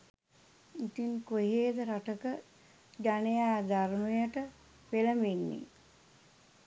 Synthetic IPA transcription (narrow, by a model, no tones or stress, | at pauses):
it̪inkoɦeːd̪əɾaʈəkə | ɡanejaːd̪aɾmujəʈə | peləminːḭ